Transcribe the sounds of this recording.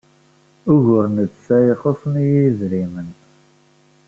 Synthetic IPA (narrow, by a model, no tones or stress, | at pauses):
ʊʝʊɾnəd̪sæjəχosˤnijizɾimən